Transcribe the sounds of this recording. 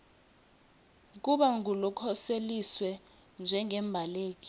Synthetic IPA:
k̬uɓaŋulɔkʰɔseliswɛ | nd͡ʒʱɛŋɛmbʱaleːk̬i̥

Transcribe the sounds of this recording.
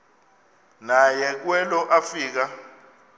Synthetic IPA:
najɛk̬wɛlɔʔafiːk̬a

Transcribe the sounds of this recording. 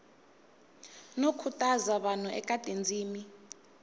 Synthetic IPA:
nokʰutʼazaɓan̤uʔɛ̰kʼadʼʱend͡zʱiːmi

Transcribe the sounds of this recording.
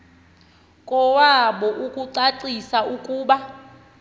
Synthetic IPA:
kʼɔwaɓɔʔukʼuǀaǀisaukʼuːɓa

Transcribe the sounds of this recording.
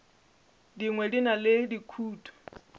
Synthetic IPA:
diŋwɛdinalɪdikʰuːtʰʼɔ̥

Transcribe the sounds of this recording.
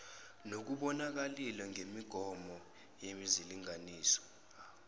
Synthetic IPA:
nok̬uɓɔnak̬alilɛŋemiɡ̥ʱɔmɔ | jemiziliŋaniːsɔ̥

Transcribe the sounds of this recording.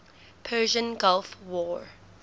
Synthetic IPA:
pʰɜːʒə̃nɡalˠfwɔːɹ

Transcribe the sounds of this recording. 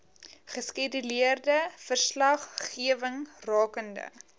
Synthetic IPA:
χəskidyliərdəfərslɐχːiəvəŋrɑːkəndə̰

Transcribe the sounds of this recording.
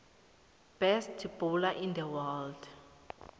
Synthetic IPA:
b̥ɛstʰib̥ulaʔind̪əwɛld

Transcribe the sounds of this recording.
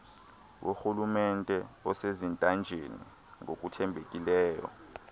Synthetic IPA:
wʔoxulumɛntʼɛɔsezintʼand͡ʒʱenḭ | ŋok̬ʼutʰɛmbʱekʼilɛːjɔ̰

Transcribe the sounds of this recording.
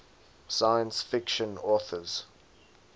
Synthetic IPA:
saɪjə̃nsfɪkʃə̃nɔːˑθəz̥

